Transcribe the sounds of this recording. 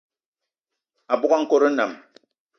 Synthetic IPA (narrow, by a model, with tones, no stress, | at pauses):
a˨bu˦a˦ŋ̩˦ko˦ɾe˦na̰˨m